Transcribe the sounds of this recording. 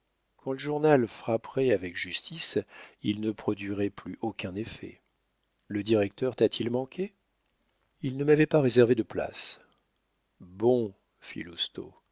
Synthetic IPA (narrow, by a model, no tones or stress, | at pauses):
kɑ̃ləʒuʁnalfχapχɛavɛkʒyst̪isilnəpχɔd̪ɥiʁɛplyʔokʲɛ̃nefɛ̰ | ləd̪iʁɛk̚t̪œʁt̪at̪ʰilmɑ̃kʲʰe | ilnəmavɛpaʁezɛʁved̪əpla̰s | bɔ̃ | fḭlust̪o̰